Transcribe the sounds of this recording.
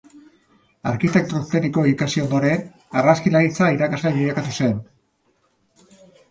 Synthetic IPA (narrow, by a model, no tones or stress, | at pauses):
aɾkit̪e̞k̚t̪ɾost̪eniko̞ikasio̞nd̪o̞ɾe̞n | araskilaɣit͡saiɾakazleβiʎakat̪use̞n